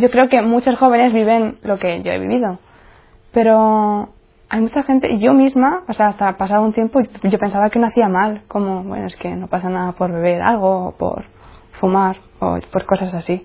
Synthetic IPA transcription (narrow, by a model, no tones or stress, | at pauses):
ɟo̞kɾe̞oke̞mut͡ʃosxo̞β̞e̞ne̞zβiβe̞nlo̞ke̞ʝo̞̰e̞̰βḭβiðo̞ | pe̞ɾo̞ | ajmut͡ʃaxe̞nt̪e̞ʔiʝo̞mizmaoseaast̪apasaðount̪je̞mpoʝo̞pe̞nsaβake̞noaθiamalko̞mo̞βwḛno̞e̞ske̞no̞pasanaðapo̞ɾβe̞β̞e̞ɾa̰lɣ̞o̞ːpo̰ɾ | fumaɾ | o̞̰po̞ɾko̞sasasi